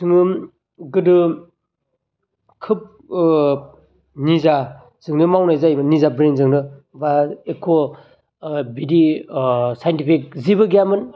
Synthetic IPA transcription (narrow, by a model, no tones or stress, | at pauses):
sɯŋɯm | ɡɯdɯ | kʰɯp̚ | niza | zɯŋdɯmawnajzajnizabɾenzɯŋnɯbaekʰo | bidi | sajntipʰik̚ziβɯɡjamɯn